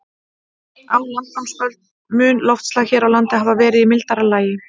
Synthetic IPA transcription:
alankamspœlt̪̚ | mʏːnlɔwft̪slaɣçɛːɾawlant̪ɪɦaːvavɛːɾɪðimɪlt̪aɾalaːjɪ

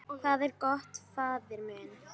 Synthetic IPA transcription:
ɔɣθaðɛɾkɔht̪faːðɪɾmɛːn

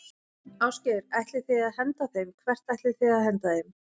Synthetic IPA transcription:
aːwscɛɾɛht̪lɪ̥θiaðɦɛnt̪aθejmkʰvɛr̥t̪ɛht̪lɪθiaðɦɛnt̪aθejm

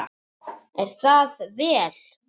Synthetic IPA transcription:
ɛɾ̥θaðvɛːl̥

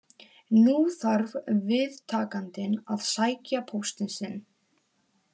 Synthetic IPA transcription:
nuːθaɾvvɪðt̪ʰaːkant̪ɪnaðsaːjcapʰowst̪ɪnsɪn

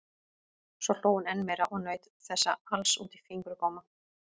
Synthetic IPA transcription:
svɔl̥oːwʏnɛnmɛjɾaʔɔɣnœːɥt̪ | θɛsːa̰alsṵːt̪ifiŋkɾʏkɔːma

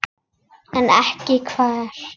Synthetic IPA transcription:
anʔaħkikʰfaːɬ

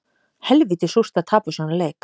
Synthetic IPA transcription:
hɛlviːt̪ɪsur̥t̪aðt̪ʰaːpasanaleːjk

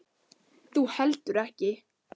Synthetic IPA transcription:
θuhɛlt̪ʏɾɛhcɪ

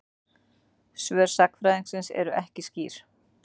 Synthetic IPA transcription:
svœːɾ̥sakfɾajðiŋksɪnsɛ̰ɾʏʔɛhcɪsciːɾ̥

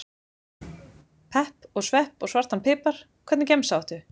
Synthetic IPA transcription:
pʰɛhpɔɣsvɛhpɔɣsvar̥t̪hanpʰɪːpaɾ̥ | kʰvɛɾt̪nɪcejmsawht̪ʏ

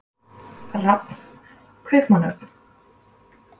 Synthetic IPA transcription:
rapn | kʰvɛːpmanœp̪n̥

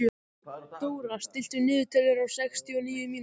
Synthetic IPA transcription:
t̪owɾɣast̪ɪl̥t̪ʏnɪːðʏt̪ʰœlɪɾawsɛkst̪ʰiɔniːjʏmiːn

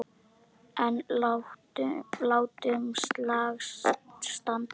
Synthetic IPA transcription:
ɛn | laːwt̪ʏŋslaɣsst̪ant̪

